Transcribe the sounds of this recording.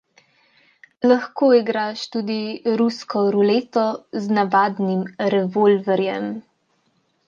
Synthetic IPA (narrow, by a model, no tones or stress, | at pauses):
laxkoːiɡɾaʃt̪uːd̪iɾuskɔɾuleːt̪ɔznabaːd̪nimɾɛvolvɛɾjɛm